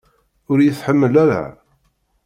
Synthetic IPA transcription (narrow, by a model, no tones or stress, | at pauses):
ʊɾjəθħəmːəlæɾa̰